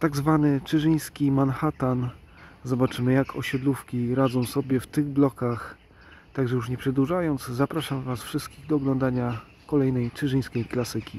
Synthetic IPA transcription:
t̪aɡzvanɘt͡ʂɘʐɘj̃skʲimanxat̪an | zɔbat͡ʂɘmɘjakʰɔ̰ɕɛd̪lufkʲiɾad̪zɔ̃w̃sɔbʲjɛft̪ɘɣblɔkax | t̪aɡʐɛjuʂɲɛpʂɛd̪wuʐajɔnd̪zzapɾaʂamvasfʂɘst̪̚kʲiɣd̪ɔːɡlɔnd̪aɲa | kɔlɛjnɛjt͡ʂɘʐɘj̃skʲejklasɘkʲi

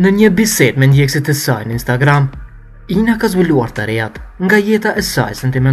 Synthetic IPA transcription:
nəɲəbisɛt̪mɛnd̪jɛksit̪ɛsa̰jnəinst̪aɡɾam | inakazbiluaɾt̪aɾɛat̪ŋɡajɛt̪aʔɛsa̰jsɛnt̪imɛn

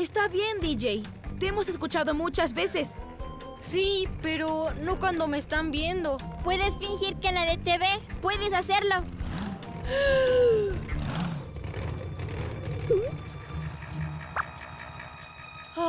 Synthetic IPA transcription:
est̪aβje̞nd̪id͡ʒej | t̪eemo̞seskut͡ʃaðo̞mut͡ʃazbe̞se̞s | sipe̞ɾono̞kwand̪o̞meːst̪ambje̞nd̪o̞pwe̞ðesfiŋxiɾkenlaðet̪eβepweðesase̞ɾlo

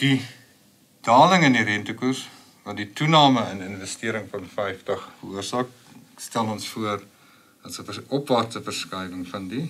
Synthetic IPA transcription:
d̥i | d̥ɑːləŋəndiɾɛntəkurs | vɐditunɑːməənənvəstiəɾəŋfɐnfɛjftɐχfəuərsɑːk̚ | stælɔnsfuər | d̥ɐtsəfəɔpvɑːrtəfərskɐjvəŋfɐndi

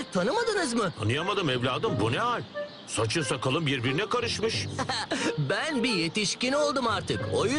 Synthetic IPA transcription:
t̪ʰanɯmad̪ɯnɯzmɯt̪ʰanɯjamad̪ɯmɛvlʲaːd̪ɯmbunɛɦalʲ | sat͡ʃʰɯnsakalˠɯmbiɾbiɾinɛkaɾɯʃmɯʃ | bænbije̞t̪iʃcino̞lˠd̪umaɾt̪ʰɯkoju

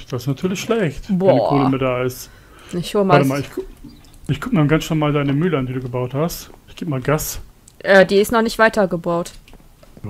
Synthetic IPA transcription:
d̥asɪstnatʰyːɐlɪçʃlɛçtbɔnːdikʰoːləmɪdaːɪst | ɪçʃoːɐəmatəmaːlɪç | ɪçɡ̥ʰʊk̚maːlɡansɔmaːldaɪnəmyːləandiːduːɡəbaʊthastɪçɡ̥eːbəmaːlɡas | ʔɛːdiːɪstnɔχnɪçtv̥aɪtɐɡəbaʊt

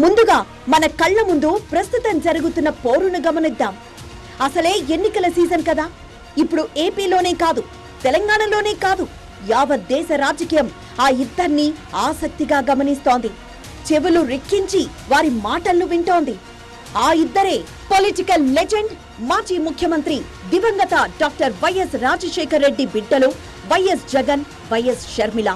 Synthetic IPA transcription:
mund̪uɡaː | mɐnɐkɐɭːɐmund̪upɾɐst̪ut̪ɐmd͡ʒɐɾuɡut̪unːɐpoːɾunuɡɐmɐnid̪ːaːm | ɐsɐle̞ːenːikɐlɐsiːd͡ʒɐnkɐd̪aː | ipːuɽue̞ːpiːlo̞ːne̞ːkaːd̪u | t̪ɛlɐŋɡaːɳɐlo̞ːne̞ːkaːd̪u | jaːʋɐd̪ːɛːʃɐɾaːd͡ʒɐkiːjɐm | aːid̪ːɐɾniaːsɐk̚t̪iɡaːɡɐmɐnist̪oːnd̪i | t͡ʃeʋuluɾekːiɲt͡ʃi | ʋaːɾimaːʈɐlːuʋiɳʈo̞ːnd̪i | aːid̪ːɐɾe̞ː | poliʈikɐlːed͡ʒeɳɖ | maːd͡ʒiːmukʰjɐmɐnt̪ɾi | d̪iʋɐŋɡ̪ɐt̪ɐɖaːk̚ʈɐɾʋɐjɐsɾaːd͡ʒɐʃɛːkɐɾːe̞ɖːibiɖːɐlu | ʋɐjesd͡ʒɛɡɐn | ʋɐjɐsʃɐɾmilɐ

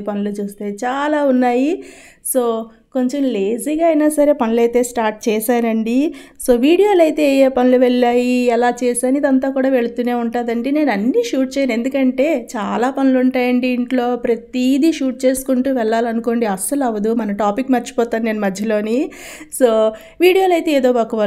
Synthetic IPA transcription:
pɐnulut͡ʃuːst̪eːt͡ʃaːlaːunːaːji | so̞ː | ko̞ɲt͡ʃemle̞ːziːɡaɐjnaːsɐɾe̞ːpɐnulɐjt̪e̞ːsʈaːɾʈ̚t͡ʃɛːʃaːɾɐɳɖi | so̞ːʋiːɽijo̞ːlɐjt̪e̞jeːpɐnuluʋɛɭːaːjiɛlaːt͡ʃɛːʃaːnuid̪ɐnt̪aːkuːɽaːʋe̞ɭut̪uːne̞ːuɳʈaːd̪ɐɳɖene̞ːnɐnːiʃuːʈ̚t͡ʃɛːjane̞nd̪ukɐɳʈe̞ːt͡ʃaːlaːpɐnuluɳʈaːjɐɳɖiːɳʈlo̞ːpɾɐt̪id̪iʃuːʈ̚t͡ʃe̞ːsu̥kuɳʈuːʋɛɭːaːlɐnuko̞ːɳɖiɐsɐlɐʋɐd̪umɐnɐʈaːpikːmɐt͡ʃːi̥pɔːt̪aːnine̞ːnumɐd̪ʱjɐlo̞ːniso̞ː | ʋiːɽijo̞ːlɐjt̪e̞eːd̪o̞ːbaːkɐʋɐɾ

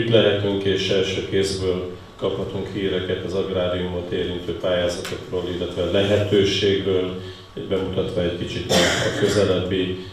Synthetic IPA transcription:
ut̪lɛɦɛt̪yŋkeːʃɛlʃøːkeːzbøːl | kɒphɒt̪uŋkhiːɾɛkɛt̪ɒzɒɡraːd̪iumot̪eːɾint̪øːpaːjaːzɒt̪o̞kroːlilːɛt̪ʋɛlɛɦɛt̪øːʃeːɡbøːl | ɟbɛmut̪ɒt̪ʋɒɛckit͡ʃit̪køzɛlɛbi

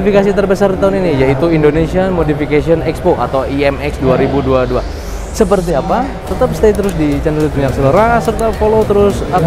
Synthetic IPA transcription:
ifikas̬it̪ərbəsardit̪aɦʊninijait̪uindonesiamodifikasiɔnɛkspoʔa̰t̪awiɛmɛksduaɾibuduadua | səp̬ərt̪̬iapa | t̪ət̪ap̚st̪ejt̪əɾʊsdit͡ʃandəlit̪̚ɲak̚sələɾasərt̪afolot̪əɾʊsa

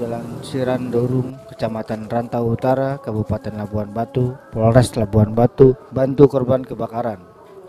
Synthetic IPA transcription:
dalansiɾandoɾʊŋkə̥t͡ʃamat̪anrant̪awut̪aɾakəbupat̪ɛnlabuanbat̪upoɾɛslabuanbat̪ubant̪ukɔrbankəbakaɾan

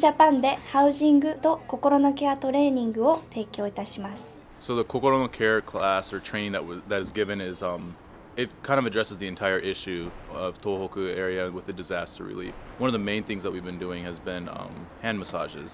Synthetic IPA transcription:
d͡ʑapãnd̪e̞haɯ̟ʑĩŋɡɯ̟t̪o̞ko̞ko̞ɾonokeat̪o̞ɾe̞ːɲĩŋɡɯ̟o̞t̪e̞ːkʲo̞ːit̪aɕimasɨɨ̥ | soʊðəkʰokoɾonokʰɛɹkʰl̥æsə˞tʰɹ̥ẽɪ̃nðɨ̰ʔ̚wʌðɨɾɨzɡɪvɨ̃nɪzʌ̃m | ɪt̚kʰãɪ̃ndʌvɨdɹɛsɨzðiɨ̃ntʰaɪə˞ʔɪʃʉʌv̥tʰohoʊkʉɛɹiɨ̃wɨðɨdɨzæstə̰˞ɹḭlˠḭfwʌ̃nʌvðəmẽɪ̃nθɪ̃ŋzðət̚wivbɨ̃ndʉɪ̃ŋɨzbɪ̃nʌ̰̃mhæ̃nməsɑ̰ʒɪ̰z̥

